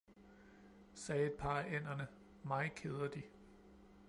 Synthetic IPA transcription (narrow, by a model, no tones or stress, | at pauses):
sɛːe̝d̥̚pʰɑ̈ːæen̰ɐnə | mɑ̈ɪkʰeð̞ˠɐd̥i